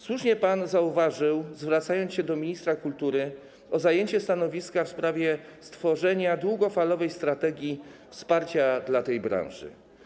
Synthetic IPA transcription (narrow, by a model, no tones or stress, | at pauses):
swuʂɲɛpanzauvaʐɘwzvɾat̪sajɔnsɕɛd̪ɔmʲiɲist̪ɾakult̪uɾɘ | ɔzajeɲt͡ɕɛst̪anɔvʲiskafspɾavʲjɛst̪fɔʐɛɲad̪wuɡɔfalɔvɛjst̪ɾat̪ɛɡʲjifspaɾt͡ɕad̪lat̪ɛjbɾã̰w̃ʐɘ̰